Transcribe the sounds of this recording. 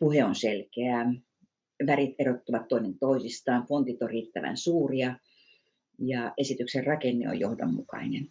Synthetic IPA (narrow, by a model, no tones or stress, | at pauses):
puheonselkeæˑ | ʋærit̪erot̪ːuʋɑt̪toinent̪oisist̪ɑːnfont̪it̪orriːt̪ːæʋæ̰nsuːriɑ | jɑesit̪ykserrɑkenːḛo̰johdo̰mːukɑ̰inen